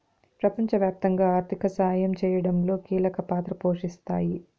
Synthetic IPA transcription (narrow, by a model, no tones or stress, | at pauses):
pɾɐpɐɲt͡ʃɐʋjaːp̚t̪ɐŋɡaːaːɾt̪ʰikɐsɐɦajɐmt͡ʃɛːjɐɽɐmlo̞ːkiːlɐkɐpaːt̪ɾɐpo̞ːʂist̪aːji